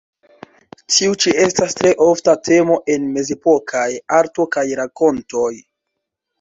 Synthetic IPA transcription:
tiut͡ʃie̞stastɾe̞ʔo̞ftatʰe̞mo̞ʔe̞nme̞ze̞po̞kʰajaɾto̞kajɾako̞nto̞j

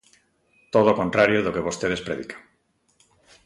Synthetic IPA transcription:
t̪oðokont̪ɾaɾjoðokeβost̪eðespɾeðikḁŋ

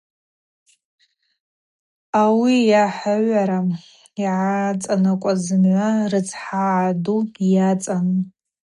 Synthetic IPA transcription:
awijaħʷaʕʷaɾa | iʕat͡sʼanakʷʼazɨnʕʷarɨt͡sʰʼħaʕːdujat͡sʼan

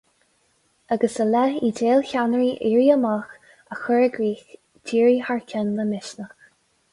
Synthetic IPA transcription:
aɡəsəlɛideːlçanəɹiʔiːɹiəmax | əxʊɹəɡɹiːx | diːɹihaɹkʰʲɛnləmɪʃnəx

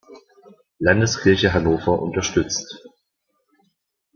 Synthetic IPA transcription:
landəskʰɪɐçəɦanoːfɐʔʊ̰ntɐʃtʏt͡st

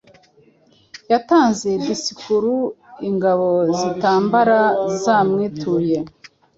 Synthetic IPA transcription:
jataːnzedisikuɾuiŋɡaβo̞zitaːmbaɾazaːmŋiːtuːje̞

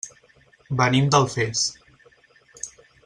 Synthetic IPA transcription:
bənimd̪əlˠfes

